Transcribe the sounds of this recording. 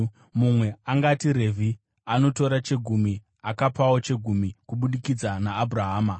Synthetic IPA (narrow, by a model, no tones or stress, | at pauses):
mumwe̞aŋɡatiɾe̞vʱi | ano̞to̞ɾat͡ʃe̞ɡʱumi | akapawo̞t͡ʃe̞ɡʱumikuɓuɗikid͡zanaːbʱuraɦaːma